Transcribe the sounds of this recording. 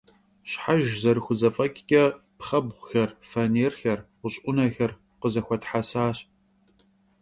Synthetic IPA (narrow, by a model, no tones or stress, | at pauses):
ɕħaʒzɐɾɨxʷʊzɐfʼɐkʲʼkʲʼɐpχɐbʁʷʊxɐrfɐneːrxɐrwʊɕʼʊnɐxɐr | qəzɐxʷɔtħasaːɕ